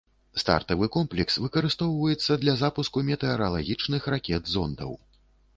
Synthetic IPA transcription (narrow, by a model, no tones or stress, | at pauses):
st̪a̰rt̪ɐvɨkɔmplʲɛksvɨkɐɾɨst̪ɔwvɐjɛt̪sːɐd̪lʲɐzapuskumʲɛt̪ɛɐɾɐlˠaɣʲit͡ʂnɨxrakʲɛd̪zɔnd̪ɐ̰w